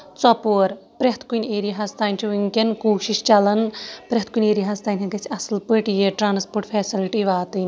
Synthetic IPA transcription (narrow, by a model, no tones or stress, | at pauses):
t͡sɔpoːɾpɾʲeɦt̪ʰkunʲeːɾijɦast̪aːnʲt͡ʃʰuʋiŋkʲenkoːʃiʃt͡ʃɐlɐnpɾʲeɦt̪̚kunʲeːɾijɦaːst̪aːnʲɦɐnkɐt͡ʃʰɐslpɨʈjeʈɾaːnspoːɾʈpʰeːsiliʈiʋaːt̪ɨnʲ